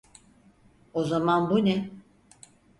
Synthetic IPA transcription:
ozamanbunɛ

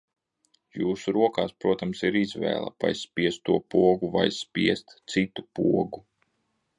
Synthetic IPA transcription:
juːsuɾuɔkaːspɾuɔt̪amsiɾizvɛ̰ːlˠa̰pa̰jsspʲiɛst̪t̪ːuɔpuɔɡuva̰jsspʲiɛst̪t̪sit̪upuɔɡu

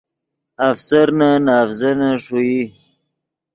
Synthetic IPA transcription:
afsaɾnanɑːfzanaʂui

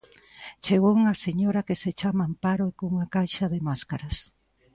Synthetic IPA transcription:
t͡ʃeɣouŋɐseɲoɾɐkeset͡ʃamampaɾoekouŋakajʃɐðemaskaɾas

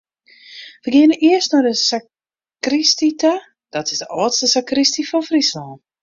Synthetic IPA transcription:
ʋəɡɪənəʔiəstnɔdəsa | kristita | d̥ɔtɪsdəʔɔːətstəsakristifɔfrislɔːn

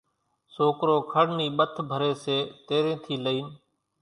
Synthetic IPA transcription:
soːkɾoːkʰəɽniːɓət̪ʰbʱəɾeːseːt̪eːɾẽːt̪ʰiːləiːn

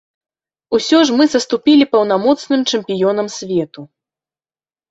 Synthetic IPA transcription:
usʲɔʐmɨzɐst̪upʲilʲipɐwn̪amɔt̪snɨmt͡ʂɛmʲpʲijɔnɐmsʲvʲɛt̪u

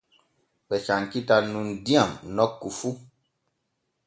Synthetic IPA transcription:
bɛʃaŋkitanũn̩diamnɔkːufu

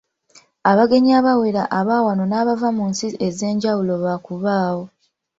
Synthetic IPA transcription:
aβaɡe̞ɲiaβawe̞ɾaʔaβaːwano̞naːβavamuːnsie̞ze̞ːɲɟawulo̞βakuβaːwo̞

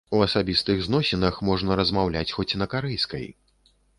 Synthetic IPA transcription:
uɐsabʲist̪ɨɣznɔsʲɛnɐxmɔʐnɐɾɐzmawlʲa̰t͡sʲxɔt͡sʲnɐkaɾɛjskɐ̰j

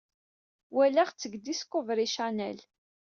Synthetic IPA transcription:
wælæχt͡sːəɡd̪iskːʊvɾiʃænæ̰l

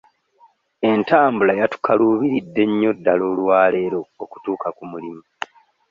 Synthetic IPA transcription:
e̞ntaːmbulajatu̥kʰaluːβiɾidːe̞ɲːo̞dːalo̞ːlwaːle̞ːɾo̞ːku̥tuːkakumulimu

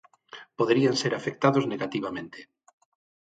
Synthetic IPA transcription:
poðeɾianseɾafek̚t̪aðozneɣat̪iβ̞amẽnt̪e̥

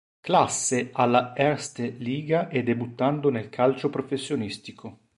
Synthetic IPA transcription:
klasːeʔalːaɛɾst̪eliːɡaʔɛd̪ebut̪ːand̪onelkʰalt͡ʃopɾofesːjonist̪ikʰo

